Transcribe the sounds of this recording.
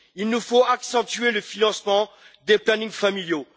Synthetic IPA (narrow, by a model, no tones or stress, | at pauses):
ilnufoaksɑ̃t̪ɥeləfinɑ̃smɑ̃ | d̪eplanĩŋfamiljo